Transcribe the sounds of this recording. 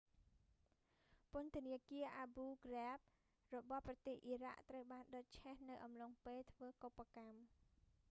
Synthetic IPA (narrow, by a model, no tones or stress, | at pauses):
pʊ̆ənt̪ʰəniəkiəʔaːbuːɡrɛp̚ | rɔɓɑhprɑt̪eːhʔiraʔt̪rəwɓaːnɗoc̚t͡ɕʰɛhnɨwʔɑmloŋpeːlt̪ʰʋəːkopːakam